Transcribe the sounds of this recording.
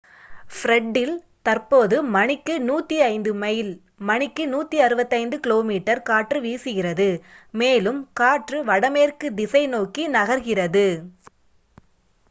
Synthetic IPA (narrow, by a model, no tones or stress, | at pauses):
fɾɛɖːɪl | t̪ɐrpoːðɯmɐɳɪkːɯnuːt̪ːiɐɪnd̪ɯmɐjɪl | mɐɳɪkːɯnuːt̪ːiɐɾɯbɐt̪ːɐɪnd̪ɯkɪloːmiːʈːɐɾkaːʈrɯʋiːsɯɣɪrɐðɯmeːlɯmkaːʈrɯʋɐɽɐmeːrkɯd̪ɪsɐɪnoːkinɐɣɐɾɣɪrɐðɯ